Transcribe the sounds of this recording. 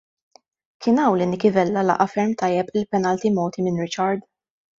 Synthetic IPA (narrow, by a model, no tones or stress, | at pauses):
kʰɪnɐwlɪnɪkɪvɛlːɐlɐ̰ʔɐfɛɾmt̪ɐjːɛpɪlpɛnɐlt̪imɔːt̪imɪnɾɪt͡ʃɐɾd̪